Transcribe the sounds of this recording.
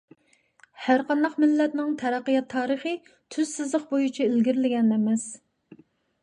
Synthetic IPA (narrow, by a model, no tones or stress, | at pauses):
hæɾqɑnd̪ɑqmɪlːɛt̪nɪŋt̪ʰɛɾæqːɨjɑt̪ʰːɑːɾəχɨ | t̪ʰyz̥sɨzlˠəq̚bojut͡ʃʰɛelɡʲiɾɪlɪɡʲɛnɛmɛs